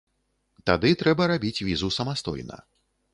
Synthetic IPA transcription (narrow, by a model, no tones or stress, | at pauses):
t̪ad̪ɨt̪ɾɛbɐɾabʲit͡sʲvʲizusɐmast̪ɔ̰jnɐ̰